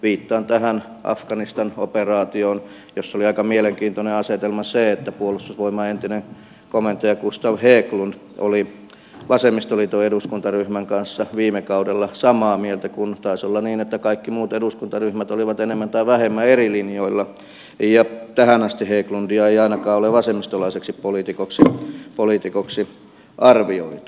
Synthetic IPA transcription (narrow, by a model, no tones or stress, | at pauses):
ʋiːt̪ːɑːnt̪æhæn | ʔɑ̰fkɑnist̪ɑno̰perɑːt̪ioːn | josːoliɑikɑmieleŋkiːnt̪oneɑset̪elmɑseet̪ːæpuolːˑust̪uːsʋoimɑent̪ineŋ | komˑent̪ːojɑkust̪ɑʋheːklund̥ | o̰li | ʋɑsemist̪olit̪oeduskunt̪ɑryhmæŋkɑnsːɑʋiːmekɑudelːɑsɑmɑːmielt̪ækunt̪ɑisolːɑniːnet̪ːækɑikːimuːt̪eduskunt̪ɑryhmæt̪oliʋɑt̪enemːænt̪ɑiʋæhemːæerilinjoilːɑ | jɑt̪æhænɑst̪iheːklundiɑeiɑinɑkɑːoleʋɑsemːˑist̪olɑiseksippolit̪ikoksipolit̪ikoksi | ʔɑrʋioit̪i̥